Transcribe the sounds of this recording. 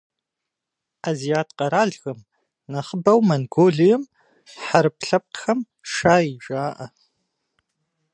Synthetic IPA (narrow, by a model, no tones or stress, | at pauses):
aːzijaːtʰqɐɾaːɮɣɐm | nɐχəbɐwmɐnɡoːɮijɛm | ħaɾɨp̚ʰɬɐp̚xɐm | ʂaːiʒaːʔɐ